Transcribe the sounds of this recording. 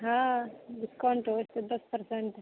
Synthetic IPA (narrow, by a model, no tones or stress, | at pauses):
ɦãɖɪskawɳʈost̪ed̪ɐspɐɾseɳʈ